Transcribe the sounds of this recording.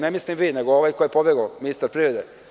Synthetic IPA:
nemislimʋiːneɡooʋajkojepobjeɡominist̪aɾpɾiɾed̪e

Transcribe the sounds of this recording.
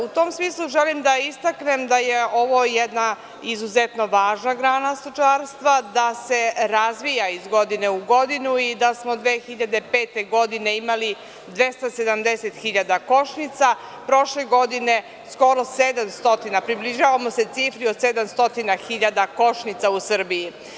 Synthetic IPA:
ut̪o̞ːmsmiːslˠuʒelimd̪aist̪akne̞md̪ajeo̞ʋo̞jed̪na | izuzet̪no̞ʋaːʒnaɡɾaːnast̪ot͡ʃaːɾst̪ʋad̪ase̞ɾazʋijaizɡo̞d̪ine̞uɡo̞d̪inuid̪asmo̞d̪ʋeːxiʎad̪e̞pe̞ːt̪e̞ɡo̞d̪ine̞imali | d̪ʋest̪ase̞d̪amd̪eset̪xiʎad̪ako̞ʃnit̪sa | pɾo̞ʃle̞ɡo̞d̪ine̞ | sko̞ɾo̞sed̪amst̪o̞t̪inapɾibliʒaːʋamo̞se̞t̪siːfɾiod̪sed̪amst̪o̞t̪inaxiʎad̪ako̞ʃnit̪sausr̩biji

